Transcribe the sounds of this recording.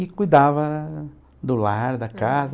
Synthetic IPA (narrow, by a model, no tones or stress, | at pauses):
ɪkujd̪avɐ | d̪ʊlaɾd̪ɐkaz